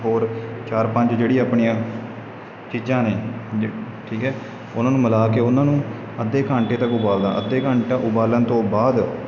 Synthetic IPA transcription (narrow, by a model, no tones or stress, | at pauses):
ɦoːɾt͡ʃaːɾpəɲt͡ʃd͡ʒeːɽiːaːpɳiːãː | t͡ʃiːd͡ʒãːneː | ʈʰiːkɦɛː | ʊnãːnũːməlaːkeːʊnãːnũː | əd̪eːkaːɳʈeːt̪əkʊbaːld̪a̰ːʔəd̪ːeːkaːɳʈaːʔʊbaːlənt̪õːbaːd̪